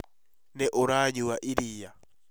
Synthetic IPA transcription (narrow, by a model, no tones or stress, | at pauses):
nɛʔoɾaɲiwaʔiɾija